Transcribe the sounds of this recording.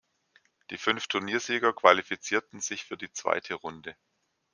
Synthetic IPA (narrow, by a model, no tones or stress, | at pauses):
d̥iːfʏnftʰʊɐniːɐziːɡɐkv̥alifit͡siːɐtn̩z̥ɪçfyːɐdiːt͡sv̥a̰ɪtʰəʁʊndə